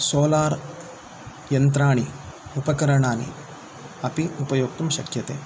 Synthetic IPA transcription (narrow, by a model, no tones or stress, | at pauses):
soːlaːɾ | jɐnt̪̬ɾaːɳiupɐkɐɾɐɳaːnḭ | ɐpiupɐjoːk̚t̪umʃɐkjɐt̪ḛː